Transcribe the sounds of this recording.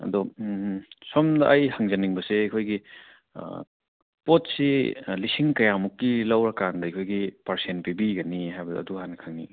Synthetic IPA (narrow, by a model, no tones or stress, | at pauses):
ɐ̰dɔ | sɔmdɐʔːjhaŋzɐniŋbɐseɐkʰojɡḭ | pot̚silisiŋkɐjamukːilɐwɾɐkandɐɐkʰojɡipɐɾsenpibiɡɐniɦajbɐdɐ̰ːduɦanɐkʰaŋni